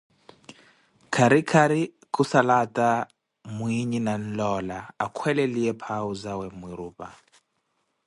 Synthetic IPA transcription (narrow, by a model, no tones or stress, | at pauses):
kʰaɾikʰaɾi | kusalatʼa | mwiɲinan̩lɔlaakʰwɛlɛliɛpʰauzawɛmwiɾuːpʼa̰